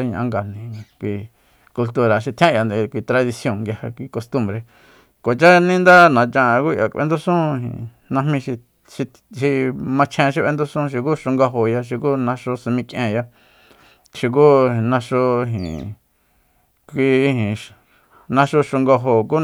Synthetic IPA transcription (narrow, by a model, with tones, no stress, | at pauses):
a˦ɲ̃ʔã̰˦ŋɡa˧nĩ˨˧kʷi˧ | ku˧lt̪u˧ɾa˨ʃi˧t̪ʰj̃ã˦˨ja˧nd̪e˧kʷi˧˨t̪ɾa˧ði˧sjo˧˨ŋŋɡja˧ha˧kʷi˧ko˧st̪ũ˧mbɾe˧˨ | ko˨t͡ʃa˦nĩ˦nd̪a˦nã˨t͡ʃã˧ku˦ja̰˨kʷʔḛ˧nd̪u˦sũ˦˧ɦḭ̃˨ | nã˧hmĩ˧ʃi˧ | ʃi˧ | ʃi˧mã˧t͡ʃʰẽ˧ʃ̬i˧βʔe˧nd̪u˦sũ˦˧ʃ̬i˧kuː˦ʃo˧ŋɡa˧ɦo˧ja˧ʃ̬i˧kuː˦nã˧ʂo˧sũ˧mĩ˧kʔẽ˧ja˧ | ʃi˧k̬u˦nã˧ʂo˧ɦḭ̃˨ | kʷi˧hĩ˨ | nã˧ʃo˧ʃo˧ŋɡo˧ɦo˨k̬uː˦